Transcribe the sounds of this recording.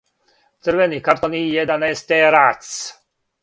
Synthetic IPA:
t͡s̪ərvɛniːkaɾt̪ɔniːjɛd̪anɛjst̪ɛɾat͡s

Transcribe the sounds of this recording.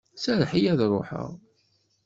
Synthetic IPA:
sæɾħijæðrˤoħə̰ʁ

